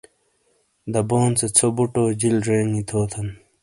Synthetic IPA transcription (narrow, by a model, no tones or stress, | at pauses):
d̪ɐboːnt͡set͡sʰobuʈoːd͡ʑilɾeːŋit̪ʰoːt̪ʰɐn